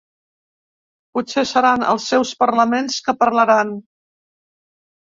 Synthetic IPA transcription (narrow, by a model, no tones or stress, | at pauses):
putsesəɾanə̰lˠsːɛwspəɾləmenskəpərləɾan